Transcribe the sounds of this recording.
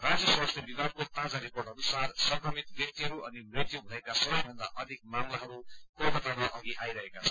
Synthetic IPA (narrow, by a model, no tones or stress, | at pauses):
rad͡zjʌswast̪ʰjebibʱaɡ̚kot̪ãd͡zaɾiporʈɦʌnusarsʌbʱɾʌmit̪bjʌk̚t̪iɦʌɾuʔʌnimreʈ̪ijubʱʌekasʌbʌjbʱʌnd̪a̰ʔʌd̪ʱik̚mamlaɦʌɾupʌbʌt̪ʌnmʌʔʌɡiʔajɾʌɦekat͡sʰʌ̥n